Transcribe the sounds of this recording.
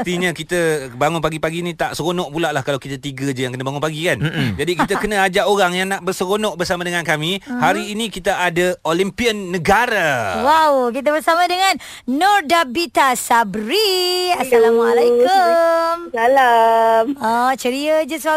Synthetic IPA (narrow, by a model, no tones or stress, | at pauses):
t̪iɲakit̪əbaŋʊnpaɡipaɡinit̪aʔsəɣonɔʔpulaʔlahkalawkit̪ət̪iɡəd͡ʒəjaŋkənəbaŋʊnpaɡikand͡ʒadikit̪əkənə̃ad͡ʒaʔoɾaŋjaŋnaʔbərsəɣonɔʔbərsamadəŋankamihaɾiːnĩkit̪aʔadaolimpiənːəɡaɾawawkit̪̬əbərsamãdəŋanː | ɔrdabit̪asabɾiasalamalaikəmalamɔt͡ʃəɾiəd͡ʒəsəwa